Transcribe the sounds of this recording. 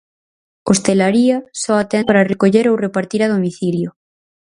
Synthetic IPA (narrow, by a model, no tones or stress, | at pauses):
ost̪elaɾiɐsɔat̪ɛpaɾarekoʎeɾowrepaɾt̪iɾað̞omiθiljo